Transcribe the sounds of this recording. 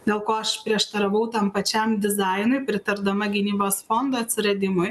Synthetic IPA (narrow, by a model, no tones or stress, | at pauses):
d̪ʲeːlˠkoːɐʃpʲɾʲiɛʃt̪ɐɾɐʋɐʊt̪ɐmpɐt͡ʃʲɛmd̪ʲɪzɑɪnʊɪpʲɾʲɪt̪ɐɾd̪ɐmɐɡʲɪnʲiːboːsfond̪oɐt̪ʲsʲɪɾɐd̪ʲɪmʊj